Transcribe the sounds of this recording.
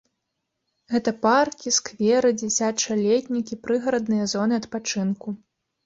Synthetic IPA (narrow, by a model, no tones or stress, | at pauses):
ɣɛt̪ɐparkʲiskvʲɛɾɨd͡zʲɛsʲat͡ʂɐlʲet̪ʲnʲikʲipɾɨɣɐɾɐd̪nɨjɐzɔnɨɐt̪pat͡ʂɨnku